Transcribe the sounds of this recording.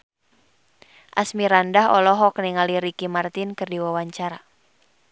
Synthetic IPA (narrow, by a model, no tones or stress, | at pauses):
ʔasmiɾandaɦɔlɔɦɔknɛŋaliɾikimart̪inkɨrdiwawaɲt͡ʃaɾa